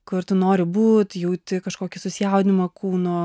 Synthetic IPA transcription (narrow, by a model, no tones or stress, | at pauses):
kʊrt̪ʊnoːɾʲɪbuːt̪jɛʊt̪ʲɪkɐʃkoːkʲɪsʊsʲɪjɛʊd̪ʲɪmɐkʰuːnoː